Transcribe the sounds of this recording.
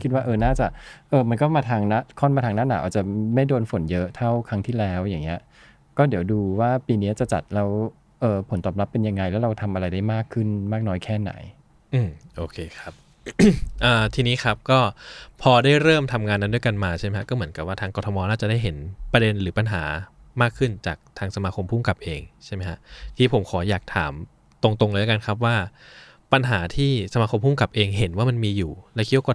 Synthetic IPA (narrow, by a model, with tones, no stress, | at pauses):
kʰi˦t̪̚waː˥˩ʔɤː˧naː˥˩t͡ɕa˨˩ʔʔɤː˧mɯ˧ə˧nk̬ɔː˥˩maː˧t̪ʰaː˧ŋna˦˥kʰɔ˥˩nmaː˧t̪ʰa˧ŋnaː˥˩naː˨˦ʔa̰ː˨˩t͡ɕa˨˩ma˥˩jdoː˧nfo˨˩˦njɤ˦˥ʔt̪ʰa˥˩wkʰa˦˥ŋt̪ʰiː˥˩lɛː˦˥wja˨˩ŋːi˦˥ɐ | kɔː˥˩di˩˦wduː˧waː˥˩piː˧niː˦˥t͡ɕa˨˩t͡ɕa̰˨˩t̪̚lɛː˦˥w | ʔɤː˧pʰo˩˦nt̪ɔː˨˩p̚la˦˥pːe˧nja˧ŋːa˧jlɛː˦˥ɾa˧wt̪ʰa˧mʔa˧ɾa˧jdaː˥˩jmaː˥˩kʰːɯ˥˩nmaː˥˩k̚nɔː˦˥jkʰɛː˥˩na̰˩˦j | ʔɯː˧˩mʔoː˧kʰeː˧xʰa˦˥p̚ | ʔəː˨˩t̪ʰiː˧niː˦˥xʰɾa˦˥p̚kɔː˥˩pʰɔː˧daː˥˩jɾɤː˥˩mt̪ʰa˧mŋaː˧nːa˦˥ndu˧˥əjka˧nmaː˧t͡ɕʰa˥˩m˦kʰa˥kɔː˥˩mɯ˩˦ə˦nka˨˩p̚waː˥˩t̪ʰaː˧ŋkɔː˧t̪ʰːmɔː˧naː˥˩t͡ɕa˨˩da˥˩jɦe˩˦npɾa˧de˧nɾɯː˩˦pa˧nɦa̰ː˩˦ | maː˥˩kʰːɯ˥˩nt͡ɕaː˨˩k̚t̪ʰaː˧ŋsa˧maː˧kʰo˧mpʰuː˥˩mka˨˩p̚ʔeː˧ŋt͡ɕʰa˥˩ma˦˥kʰa˦˥ʔt̪ʰiː˧˩pʰo˨˩˦mkʰɔː˩˦jaː˨˩k̚t̪ʰa̰ː˩˦m | t̪o˧ŋt̪o˧ŋlɤː˧jʔka˧nkʰa˦˥p̬̚waː˥˩ | pa˧nɦaː˩˦t̪ʰiː˥˩sa˧maː˧kʰo˧mpʰuː˥˩mka˨˩p̚ʔeː˧ŋɦe˨˩˦nwaː˥˩ma˧nmiː˧juː˨˩lɛ˦˥wki˦˥wa˥kɔ˧˩